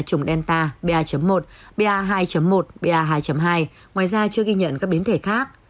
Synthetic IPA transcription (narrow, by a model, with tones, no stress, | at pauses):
t͡ɕʊ˨˩ŋ͡mɗɛ˧nt̪aː˧ɓe˧ʔaː˧t͡ɕə˨˦mːo˨˩t̚ɓe˧ʔaː˧ɦaː˧jt͡ɕə˨˦mːo˨˩t̚ɓe˧ʔaː˧ɦaː˧jt͡ɕə˨˦mɦaː˧j | ŋwaː˨˩jzaː˧t͡ɕɨ˧əɣi˧ɲə̰˧˨nkaː˦˥k̚ɓi˨˦nt̪ʰe˧˩xaː˦˥k̚